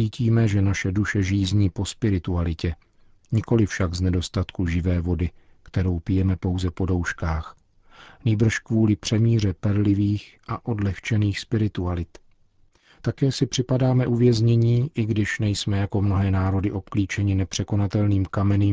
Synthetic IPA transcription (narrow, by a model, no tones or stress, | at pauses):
iːciːmɛʒɛnaʃɛduʃɛʒiːzɲiːpo̞spɪɾɪt̪ualɪcɛ | ɲɪko̞lɪfʃaɡznɛdo̞st̪at̪kuʒɪvɛːvo̞dɪ | kt̪ɛɾo̞wpɪjɛmɛpo̞wzɛpo̞do̞wʃkaːx | niːbr̩ʃkvuːlɪpr̝̥ɛmiːr̝ɛpɛɾlɪviːxʔaʔo̞dlɛxt͡ʃɛniːxspɪɾɪt̪ualɪt̪ | t̪akɛːsɪpr̝̥ɪpadaːmɛʔuvjɛzɲɛɲiːʔɪɡdɪʃnɛjsmɛjako̞mno̞ɦɛːnaːɾo̞dɪʔo̞pkliːt͡ʃɛɲɪnɛpr̝̥ɛko̞nat̪ɛlniːmkamɛnim